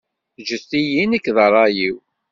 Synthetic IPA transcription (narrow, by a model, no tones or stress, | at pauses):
θd͡ʒəθtijinækːðˤəɾˤːɑjiw